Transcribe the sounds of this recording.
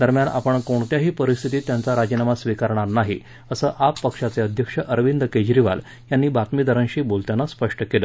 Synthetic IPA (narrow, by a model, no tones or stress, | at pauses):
d̪əɾmjana̰pəɳkoɳt̪jaɦiːpəɾist̪ʰit̪iːt̪jant͡saɾad͡ʑinamasʋikaɾɳ̃aɾnaɦi | əsəːʔapːəkʂat͡seəd̪ʱjəkʂəʔəɾʋind̪əked͡ʑɾiʋa̰l | janːiːbat̪mid̪əɾənɕiːbolt̪janːaspəʂʈəkelə